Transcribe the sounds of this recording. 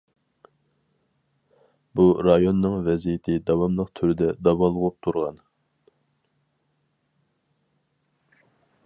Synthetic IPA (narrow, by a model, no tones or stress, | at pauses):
buɾɑjonːɨŋvɛzijɪt̪ʰɪd̪ɑwɑmlˠəq̚t̪ʰyɾɪd̪ɛd̪ɑwɑlˠʁup̚t̪ʰuɾʁɑ̰n